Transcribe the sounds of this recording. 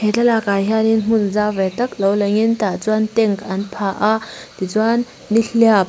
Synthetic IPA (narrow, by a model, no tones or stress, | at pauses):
hɛt͡ɬalakaɦjaninm̥ʊnzavɛt̪ɐk̚lɔwlaŋint̪at͡swant̪ɛŋkɐnpʰaʔad̪it͡swanː | iɬiap̚